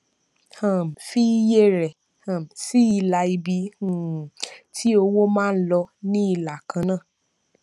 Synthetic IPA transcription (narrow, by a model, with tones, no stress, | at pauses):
hã˨m˨fi˦je˦˨ɾɛ˨ | hã˨m˨si˦i˧la˧i˧bi˨˧˦ũ˨ti˦o˧wo˦mãː˦˧˦lɔ˧nĩ˦i˦˧˨la˨kʰã˨˦nãː˦˨